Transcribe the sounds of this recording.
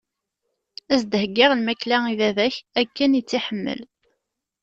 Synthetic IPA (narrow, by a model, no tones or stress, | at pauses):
æzd̪həɡːɪʁlmæklæiðæðæçækːænjət͡sːiħəmːə̰l